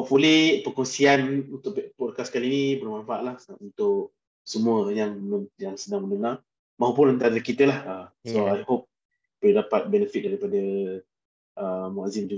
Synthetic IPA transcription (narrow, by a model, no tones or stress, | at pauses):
ɔʔfulɪpəkɔŋsianunt̪ʊʔppolkasə̥kaliːnibəlmaɱfaaʔlahunt̪ʊʔ | səmuəjaŋməjaŋsədaŋmə̃ndəŋar | maɦup̬ʊnant̪aɾəkit̪əlahəsoajhop̚ | pəlidapat̪̚bɛnəfɪk̚daɾipadə | ʔəmoazimd͡ʒuɡ